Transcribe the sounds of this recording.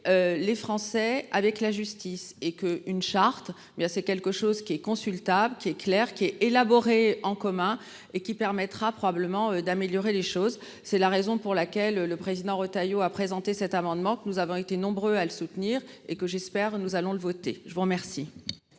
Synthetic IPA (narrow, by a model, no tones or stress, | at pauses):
ølefχɑ̃sɛavɛklaʒyst̪isekəynʃaʁt̪ | bjɛ̃sɛkʲɛlkəʃozkʲiɛkɔ̃sylt̪abləkʲiɛklɛʁkʲiɛelabɔʁeɑ̃kɔmɛ̃ | ekʲipɛʁmɛt̪χapχɔbabləmɑ̃ød̪ameljɔʁeleʃoz | sɛlaʁezɔ̃puʁlakʲɛløːəpχezid̪ɑ̃ʁot̪ajoapχezɑ̃t̪esɛt̪amɑ̃d̪mɑ̃kənuzavɔ̃et̪enɔ̃bʁøaləsut̪niːʁekəʒɛspɛʁnuzalɔ̃ləvɔt̪eʒəvuʁmɛʁsi